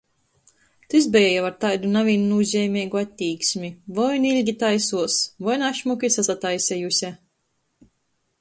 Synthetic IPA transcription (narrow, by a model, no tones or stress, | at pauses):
t̪izbɛjɛjavaɾt̪ajd̪unavʲiːnunuːzʲɛjmʲɛjɡuat̪ʲːiːksʲmʲivɔjnilʲɡʲit̪ajsuɔsvɔjnaʃmukʲisasat̪ajsʲɛjusʲɛ